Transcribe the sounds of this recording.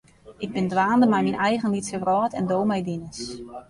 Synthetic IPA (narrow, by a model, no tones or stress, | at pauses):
ɪɡ̚bɪndʋaːndəmɛjminʔɛjɣənlitsəɡrɔːtʰɛndoːwmɛjdinəs